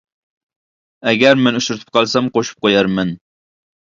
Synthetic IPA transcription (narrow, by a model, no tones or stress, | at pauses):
ɛɡʲæɾmɪnuʃɾɪt̪ʰɪ̥p̚qʰɑlˠsɛmqoʃu̥p̚qʰojɑɾmɪn